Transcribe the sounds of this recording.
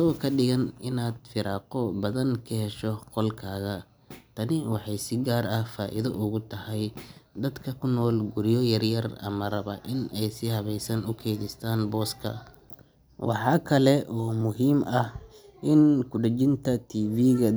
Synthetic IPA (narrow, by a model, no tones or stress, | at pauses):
sɐɣɔkʰɐɖɪɣɐnɪnaːd̪fɪɾɑːqɔbɐðɐŋkʰɐɦɛʃɔqɔlkʰaːɣɐ | t̪ʰɐnɪwɑħɑjsɪɡaːɾɐhfaːʔɪ̰ðɐʔʊɣʊt̪ʰɐhɛjd̪ɐd̪kʰɐkʰʊnɔːlɡuɾjɔjɐrjɐrɐ̰mɐrɐβɐ̰ʔɪnɛjsɪhɐβɛjsɐnʊkʰɛːðɪst̪ʰaːnbɔːskʰɐ̰ | wɑ̰ħɑːkʰɐlɛʔɔːmʊɦiːmɐh | ʔɪnkʰʊɖɐt͡ʃɪnt̪ʰɐt̪ʰiːviːɣɐ